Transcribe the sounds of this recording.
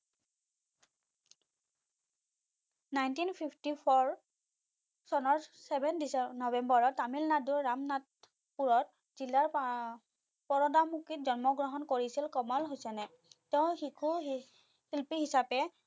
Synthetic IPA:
najntinpʰipʰtipʰɔɹ | sɔnɔɹsɛbʱɛndisnɔbɛmbɔɹɔtːamilnaduɹːamnat̚ | puɹɔt̚ | z̥ilaɹ | pɔɹɔdamukit̚zɔnmɔɡɹɔɦɔnkoɹisilkɔmɔlɦojsɛnɛ | teʊ̃hikʰu | silpiɦisapɛ

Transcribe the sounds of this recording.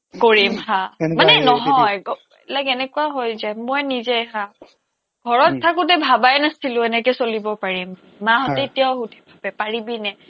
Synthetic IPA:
koɹimɦãmanɛnɔɦɔjɡɔ | ɛlakɛnɛkuaɦojzajmɔjnizɛɦã | ɡʱɔɹɔttʰːakʊt̬ɛbʱabajnasilʊ̃ɛnɛkɛsolibɔpaɹimː | aɦɔtɛetijaʊɦutʰɛ̥bʱabɛpaɹibinɛ

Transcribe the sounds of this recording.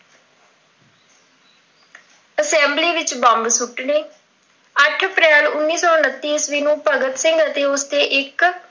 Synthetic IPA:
əsɛ̃ːmbliːʋɪt͡ʃbɔ̃ːmbsʊʈneː | əʈʰəpɾɛːlʊnːiːsɔːʊnət̪ːiːsʋiːnũːpəɡət̪sɪ̃ŋɡət̪eːʊst̪eːʔɪk

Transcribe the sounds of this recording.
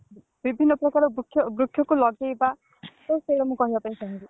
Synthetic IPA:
bibʱinːɔpɾɔkaɾɔbɾukʰjɔbɾukʰːjɔkulɔɡeba | sɔseɽɔmũkɔɦibapaĩsʰaɦĩnk̪i

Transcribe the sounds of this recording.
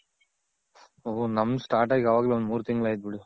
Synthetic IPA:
oɦonɐmnusʈaːɾʈaːɡɡʲɐʋaːɡleond̪muːɾut̪iŋɡɐɭaːjt̪̬̚biɽu

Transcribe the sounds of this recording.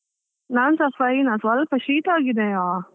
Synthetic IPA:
naːnsɐpɐjnãːsʋɐlpɐʃiːʈaːɣid̪ẽːaː

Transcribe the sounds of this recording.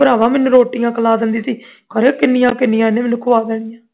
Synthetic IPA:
əɾaːʋãːmɪnũːɾoːʈɪjãːkəlaːd̪ənd̪iːsiːkəɾeːkɪnːijãːkɪnːijãːnẽːmɪnũkʰʊʋaːd̪ɛːɽ̃ɪjãː

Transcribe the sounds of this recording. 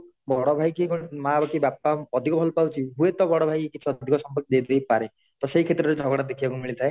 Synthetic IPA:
bɔɽɔbʱajkikumabakibapaɔd̪ʱikɔbʱɔlpawt͡ʃʰiɦuet̪ɔbɔɽɔbʱajkikit͡ʃʰiɔd̪d̪ʱikɔsɔmpɔɾkid̪ejd̪ejpaɾe | t̪ɔseikʰet̪ɾɔɾed͡ʒʱɔɡɔɽad̪ekʰibakumiɭit̪ʰae

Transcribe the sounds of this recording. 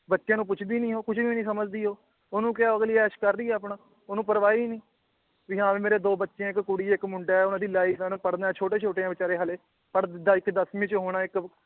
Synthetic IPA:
bətːʃɪjãːnũːp̬ʊt͡ʃʰd̪iːnĩːɦoːkʊt͡ʃʰʋĩːnĩːsəməd͡ʒd̪iːɦoː | ʊnũːkaːoəɡliːɛːʃkəɾːiːɛːəp̬ɳãː | ʊnũːpəɾʋaːiːnĩː | ʋiːɦãːʋiːmeːɾeːd̪oːbətːʃeãːɪkkʊɽiːɪkmʊɳɖaːɛːʊnãːd̪iːlaːiːfaːnũːpəɽd̪aːɛːt͡ʃʰoːʈeːt͡ʃʰoːʈeːãːʋɪt͡ʃaːɾeːɦəleː | pəɽd̪d̪aːɪkd̪əsmĩːt͡ʃɦoːɽ̃aːɪk

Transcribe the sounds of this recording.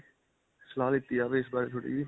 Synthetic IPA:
səlaːlɪt̪ːiːaːʋeɪsbaːɾet̪ʰoːɽḭːʋiː

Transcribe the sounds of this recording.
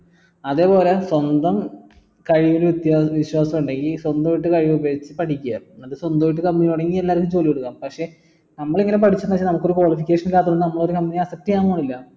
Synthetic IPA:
ɐðe̞ːpo̞ːle̞swɐnd̪ɐm | kɐɻiʋilʋit̪jaːʋiɕwaːsɐmuɳɖeŋɡiswɐnd̪ɐʋiʈːɨkɐɻiʋubeːt͡ɕːɨpɐʈʰikʲːuja̰ɐðɨswɐnd̪ɐʋiʈ̬ːɨkɐmbɐnijuɽɐŋːielːaːɾɐkːumt͡ɕo̞ːlikoɽukːaːmpɐkʂe̞ | nɐmːɐɭiŋːɐnep̬ɐʈʰit͡ɕːunɐt͡ɕːinɐmukːo̞ɾukwɐɭifikʲːeːʂɐnilːaːt̪ːunːɨnɐmːɐɭo̞ɾukɐmːbinijɐsɐk̚ʈijaːŋuaːɳilːɐ

